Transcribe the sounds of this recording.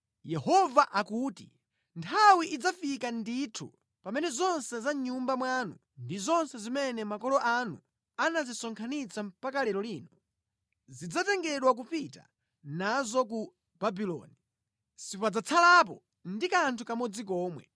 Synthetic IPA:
jɛhɔvaʔakuːti | ntʰawiʔid͡zafikanditʰṵ | pamɛnɛzɔnsɛzaɲumbamwanu | ndizɔnsɛzimɛnɛmakɔlɔʔanṵ | anazisɔŋkʰanit͡sʰam̩pakalɛɾɔliːnɔ | zid͡zatɛŋɡɛɗwak̬upita̰ | nazɔk̬u | babilɔ̰ːni | sipɔad͡zat͡sʰalapɔ | ndikantʰukamɔd͡zik̬ɔːmwɛ̰

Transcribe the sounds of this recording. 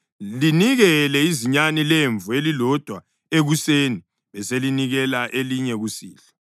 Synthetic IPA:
liniɣɛlɛiziɲanileɱvuelilɔd̥ʱwa | eɣuseːni | βɛseliniɣɛlaʔeliɲɛɣusḭːlɛ

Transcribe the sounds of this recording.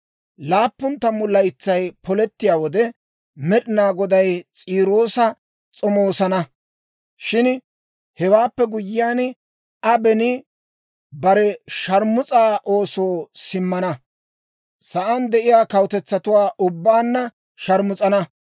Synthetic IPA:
laːpːʊnt̪ːɐmʊlːɐjt͡sːɐjpɔlɛt̪ːɪjaːwɔd̪ɛ | mɛɗɪnaːɡɔd̪ɐjt͡sʼiːɾo̞ːsɐ | t͡sʼɔmoːsɐnɐ | ʃɪn | hɛwaːpːɛɡʊjːɪjaːn | ɐbɛnɪ | bɐɾɛʃɐɾmʊt͡sʼaːʔo̞ːsoːsɪmːɐnɐ | sɐʔɐnd̪ɛʔɪjaːkɐwt̪ɛt͡sːɐt̪ʊwaːʔʊbːaːnːɐ | ʃɐɾmʊt͡sʼɐnɐ

